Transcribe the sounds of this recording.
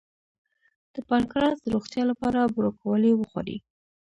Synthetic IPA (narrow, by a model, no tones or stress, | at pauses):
d̪̥əpankɾɑsd̪əɾoxt̪jɑlapɑɾabɾokawəlewəxwa̰ɾḭ